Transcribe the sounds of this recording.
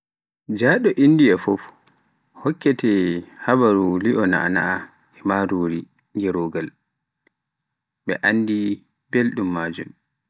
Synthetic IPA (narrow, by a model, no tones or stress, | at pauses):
d͡ʒaɗɔʔindijafɔf | hɔkːɛtɛhabaɾuliʔɔna̰ʔa̰na̰ʔa | ɛmaɾoːɾi | ŋɡɛɾɔːɡal | ɓɛ̰ʔandi | belɗumːaːd͡ʒṵm